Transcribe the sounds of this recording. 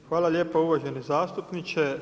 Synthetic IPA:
xʋaːlalʲje̞ːpouʋaʒe̞nizaːst̪upnit͡ʃe

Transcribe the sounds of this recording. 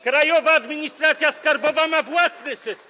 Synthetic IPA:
kɾajɔvaːd̪mʲiɲist̪ɾat̪sʲjaskaɾbɔvamavwasnɘsɛs

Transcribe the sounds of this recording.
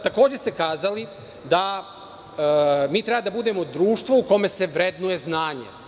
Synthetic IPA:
t̪ako̞ːd͡ʑest̪e̞kaːzali | d̪a | miːt̪ɾe̞bad̪abud̪e̞ːmo̞d̪ɾuːʃt̪ʋouko̞me̞se̞ʋɾed̪nuje̞znaːɲḛ

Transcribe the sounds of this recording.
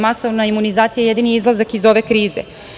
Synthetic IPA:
maso̞ʋnaimunizaːt̪sijaje̞d̪iniizlˠazakizo̞ʋe̞kɾiːze̞̰

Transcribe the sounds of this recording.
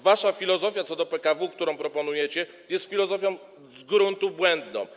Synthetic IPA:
vaʂafʲilɔzɔfʲjat̪sɔd̪ɔpɛkavuk̚t̪uɾɔ̃w̃pɾɔpɔnujɛt͡ɕɛ | jɛst̪fʲilɔzɔfʲjɔ̃w̃ | zɡɾunt̪ubwɛnd̪nɔ̰̃w̃

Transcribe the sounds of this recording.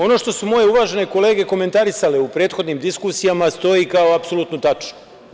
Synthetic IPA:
o̞no̞ʃt̪o̞sumo̞je̞uʋaːʒe̞ne̞ko̞le̞ːɡe̞ko̞me̞nt̪aɾisaleupɾe̞ːt̪xo̞d̪niːmd̪iskusijamast̪o̞jikao̞apso̞lˠuːt̪not̪at͡ʃno

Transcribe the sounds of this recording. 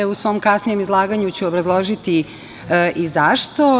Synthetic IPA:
eusʋo̞ːmkasnije̞mizlˠaːɡaɲut͡ɕeobɾazlˠo̞ʒit̪i | ʔizaʃt̪o̞

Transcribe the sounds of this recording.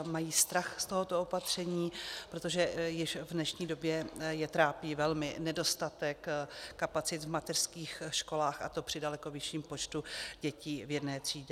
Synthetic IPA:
majiːst̪ɾaxst̪o̞ɦot̪oopat̪r̝̥ɛɲiːpɾo̞t̪o̞ʒɛjɪʃvnɛʃɲiːdo̞bjɛjɛt̪ɾaːpiːvɛlmɪnɛdo̞st̪at̪ɛkːapat͡sɪt̪vmat̪ɛr̥skiːxʃko̞laːxʔa̰t̪o̞pr̥ɪdalɛko̞vɪʃiːmpo̞t͡ʃt̪uɟɛciːvjɛdnɛːt̪r̝̥iːɟɛ

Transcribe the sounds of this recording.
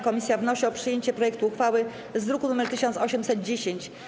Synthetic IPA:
kɔmʲisʲjavnɔɕiɔpʂɘjeɲt͡ɕɛpɾɔjɛk̚t̪uːxfawɘ | zd̪ɾukunumɛɾt̪ɘɕɔnt̪sɔɕɛmsɛd̪̚d͡ʑeɕeɲt͡ɕ

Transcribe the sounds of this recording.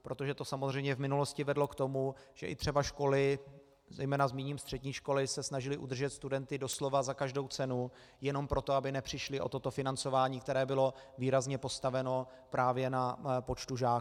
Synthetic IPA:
pɾot̪oʒɛt̪o̞samozr̝ɛjmɲɛvmɪnulo̞scɪvɛdlo̞kt̪o̞muʒ̥ɛʔɪ̰t̪r̥ɛbaʃko̞lɪ | zɛ̰jmɛːnazmiːɲiːmst̪r̥ɛdɲiːʃko̞lɪsɛsnaʒɪlɪʔud̪r̩ʒɛt̪st̪udɛnt̪ɪdo̞slo̞vazakaʒdo̞wt͡sɛnu | jɛno̞mpɾo̞t̪oabɪnɛpr̥ɪʃlɪʔo̞̰t̪o̞t̪o̞fɪnant͡so̞vaːɲiːk̚t̪ɛɾɛːbɪlo̞ | viːɾazɲɛpo̞st̪avɛno̞ | pɾaːvjɛnapo̞t͡ʃt̪uʒaː

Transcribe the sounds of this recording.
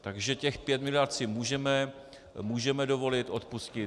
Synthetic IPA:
t̪aɡʒɛcɛxpjɛt̪mɪlɪjaɾt̪sɪmuːʒɛmɛ | muːʒɛmɛdovo̞lɪt̪ʔo̞t̪puscɪ

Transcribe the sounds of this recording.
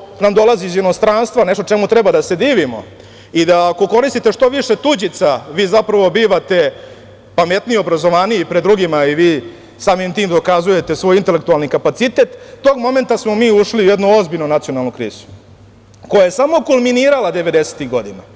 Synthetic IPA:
namd̪o̞laziːzjeno̞st̪ɾaːnst̪ʋane̞ʃt̪ot͡ʂe̞mut̪ɾɛbad̪ase̞d̪iːʋimo̞̰ | id̪aːko̞ko̞ɾist̪it̪eʂt̪o̞ʋiʂe̞t̪ud͡ʑit̪saʋiːzapɾaʋo̞biːʋat̪e̞ | pame̞t̪nio̞bɾazo̞ʋaːniipɾed̪d̪ːɾuɡimaiʋiː | saːmimt̪iːmd̪o̞kazuje̞t̪e̞sʋo̞jint̪e̞lek̚t̪ualˠnikapat̪sit̪e̞t̪ːo̞ːɡmo̞me̞nt̪asmomiːuʃliujed̪nuo̞zbiʎnonat̪sijo̞nalˠnukɾḭːzu̥ | ko̞jajesamo̞kulminiːɾalˠad̪eʋe̞d̪eset̪iɣɡo̞d̪ina̰

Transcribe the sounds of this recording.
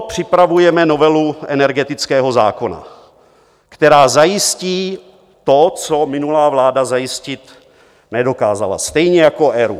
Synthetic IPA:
pr̝̥ɪpɾavujɛmɛno̞vɛluʔɛnɛɾɡɛt̪ɪt͡skɛːɦo̞za̰ːko̞na̰ | kt̪ɛɾaːzajɪsciː | t̪o̞t͡somɪnulaːvlaːdazajɪscɪt̪ | nɛdo̞kaːzala̰st̪ɛjɲɛjako̞ʔɛɾṵ

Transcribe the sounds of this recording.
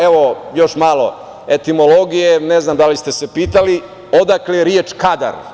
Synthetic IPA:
eʋo̞jo̞ʃmaːlo̞ | et̪imo̞lo̞ɡije̞neznamd̪alist̪e̞se̞piːt̪ali | od̪akleɾjet͡ʃkad̪a̰ɾ

